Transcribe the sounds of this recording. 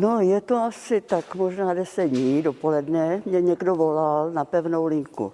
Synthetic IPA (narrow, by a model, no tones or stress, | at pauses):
nojɛt̪oasɪt̪akmoʒnaːdɛsɛdɲiːdopo̞lɛdnɛmɲɛɲɛɡdovolalnapɛvnowlɪŋkṵ